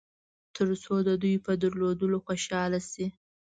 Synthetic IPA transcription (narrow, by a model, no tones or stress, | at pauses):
t̪ʰəɾt͡sod̪əd̪ujpəd̪əɾlod̪əloxoʃɑlasi